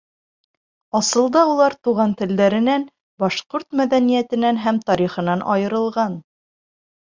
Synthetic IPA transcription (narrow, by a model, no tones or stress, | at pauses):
ɑsɤ̆lˠd̪ɑulˠɑɾt̪uʁɑnt̪ɘ̆ld̪æɾɘ̆næn | bɒʃqoɾt̪mæðænijæt̪ɘ̆nænɦæmt̪ɒɾiχɤ̆nɑnʔɑ̰jɤ̆ɾɤ̆lˠʁɑn